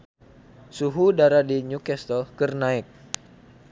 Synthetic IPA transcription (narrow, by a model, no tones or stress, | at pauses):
suɦudaɾadiɲukɛst̪ɔlkərnaɪk̚